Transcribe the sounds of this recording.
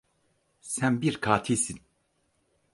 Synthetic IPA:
sɛmbiɾkʰaːt̪ʰiːsin

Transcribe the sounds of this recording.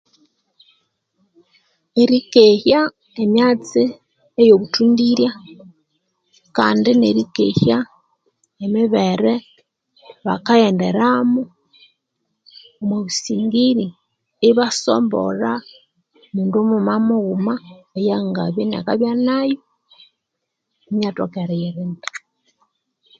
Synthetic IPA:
eɾikeçja | emjaːt͡si | ejoβutuːndiɾja | ka̰ːndinḛɾikḛha | emiβeɾe | βa̰kajeːndḛɾamu | omweβusiːŋɡiɾi | eβaso̰mbo̰ɾa | muːndomumamuɣumaejaŋɡaβjena̰kaβjanajo | mjatokeɾajeɾinda

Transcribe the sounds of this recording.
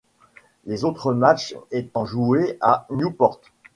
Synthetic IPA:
lezot̪χəmat͡ʃet̪ɑ̃ʒueanjupɔʁt̪

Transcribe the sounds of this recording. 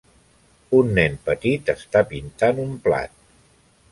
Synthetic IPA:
unːɛnpət̪it̪əst̪apint̪anumpla̰t̪̚

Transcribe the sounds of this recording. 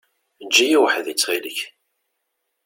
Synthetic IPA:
d͡ʒːijiwəħðit͡sːʁiləç

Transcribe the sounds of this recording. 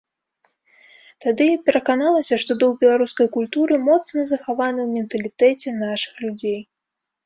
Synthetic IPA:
t̪ad̪ɨpʲɛɾɐkanalˠɐsʲɐʂt̪ɔd̪ɐwbʲɛlˠaɾuskɐjkulʲt̪uɾɨmɔt̪snɐzɐxavanɨwmʲɛnt̪ɐlʲit̪ɛt͡sʲɛnaʂɨ̥xlʲud͡zʲej

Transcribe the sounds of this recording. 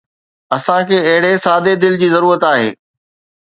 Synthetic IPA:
ɐsãkʰeːɐɦɪɽesaːd̪ed̪ɪld͡ʑiːzɐɾuːɾət̪aːɦḛː

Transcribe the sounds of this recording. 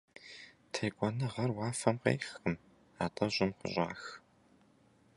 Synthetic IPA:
tʰeːkʷʼɔnɨʁɐrwɑːfɐmqḛːxɨm | a̰ːtʼɐʑɪmχʷʊ̰ʑʼa̰ːx

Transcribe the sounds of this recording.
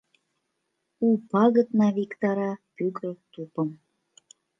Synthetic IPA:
upɑɣət̪nɑvikt̪ɑɾɑpykət̪upəm

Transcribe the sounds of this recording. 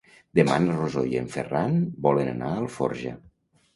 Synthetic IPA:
d̪emanrozojḛɱferanbɔlənə̰naəlˠfɔ̰ɾʒə̰

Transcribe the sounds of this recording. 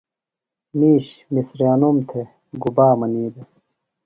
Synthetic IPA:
miːɕmisɾaːnomt̪ʰe | ɡubaːmɐniːd̪e

